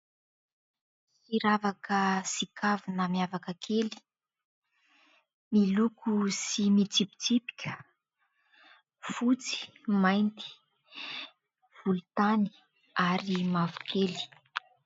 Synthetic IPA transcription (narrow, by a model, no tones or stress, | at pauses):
hiɾavakəsikʰavunəmiavakəkʰeli̥ | milukusimit͡sipi̥t͡sipi̥kʲʰə̥ | fut͡si̥majnt̪i̥ | v̥ulut̪ani̥ | aɾimavu̥kʰeli̥